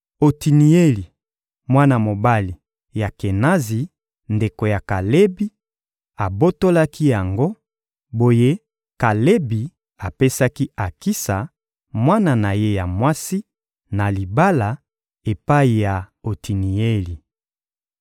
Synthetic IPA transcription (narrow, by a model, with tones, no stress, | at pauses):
o˨ti˨ni˨e˦li˨ | mwa˦na˨mo˨ba˦li˨ | ja˨ke˨na˦zi˨ | nde˨ko˨ja˨ka˨le˦bi˦ | a˨bo˦to˦la˦ki˦ja˨ŋɡo˦ | bo˨je˦ | ka˨le˦bi˨ | a˨pe˦sa˦ki˦a˨ki˦sa˨ | mwa˦na˨na˨je˦ja˨mwa˦si˦ | na˨li˨ba˦la˨ | e˨pa˦i˨ja˨o˨ti˨ni˨e˦li˨